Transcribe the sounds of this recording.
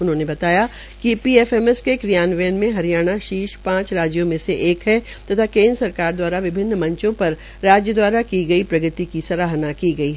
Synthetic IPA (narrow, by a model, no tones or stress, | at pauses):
ʊnɦõːnebɐt̪aːja | kipiːeːfɛːmɛskekɾijaːnʋɛːnmẽɦɐɾijaːɽ̃aʃiːʃpãːt͡ʃɾaːd͡ʒjõmẽseʔeːkɦɛ | t̪ɐt̪ʰakẽːnd̪ɾəsɐɾkaːɾd̪waːɾaʋɪbʱɪnːmɐ̃ɲt͡ʃõpɐɾ | ɾaːd͡ʒjəd̪waːɾakiɡɐipɾɐɡət̪ikisɐɾaːɦnakiɡɐiɦ